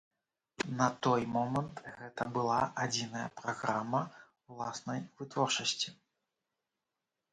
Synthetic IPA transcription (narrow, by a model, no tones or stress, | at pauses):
nɐt̪ɔjmɔmɐnt̪ɣɛt̪ɐbɨlˠaad͡zʲinɐjɐ̰pɾaɣɾamːɐ | wlˠasnɐjvɨt̪vɔrt͡ʂɐsʲt͡sʲi